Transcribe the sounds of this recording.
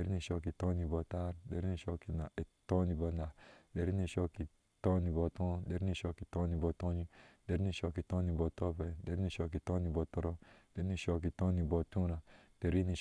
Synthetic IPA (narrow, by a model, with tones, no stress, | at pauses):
de˨ɾi˦ni˨ʃo˧ki˨to˦ni˨bɔ˧ta˦ɾde˨ɾi˦ni˧˨ʃo˧ki˨na˨e˨to˦ni˧˨bo˧na˨de˨ɾi˦ni˨ʃo˦ki˨ | tɔ˦ni˨bo˨tɔ̃˦de˨ɾi˦i˨ʃo˧ki˨to˦ni˨bɔ˧tõ˦ɲi˦d̥e˨ɾi˦ni˧˨ʃo˧ki˨to˦ni˨bɔ˨to˦pe˨de˨ɾi˦ni˨ʃo˧k̬i˨to˦ni˧˨bɔ˧tɔ˦ɾɔ˦d̥e˨ɾi˦nĩ˦˨ʃo˧k̬i˨to˦ni˨bo˨tũ˦ɾa˨d̥e˨ɾi˦ni˨